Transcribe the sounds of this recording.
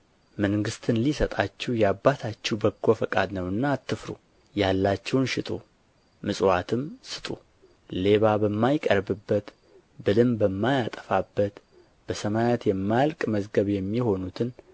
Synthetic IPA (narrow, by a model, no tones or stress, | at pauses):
məŋɡɨst̪ʰɨnlisət̪ʼat͡ʃːɛwjabːat̪ʰat͡ʃːɛwbəɡo̞fəkʼa̰d̪nəwɨnːaːt̪ʰːɨfɾṵ | jalːat͡ʃːɛwnʃɪt̪ʼṵ | mɨsʼwat̪ʰɨmsɨ̥t̪ʼṵ | le̞βabəmːajkʼəɾbɨbːət̪ | bɨlɨmbəmːajat̪ʼə̥fabːət̪ | b̥əsəmajat̪jɛmːajalkʼməzɡəβjɛmːiho̞nut̪ʰɨn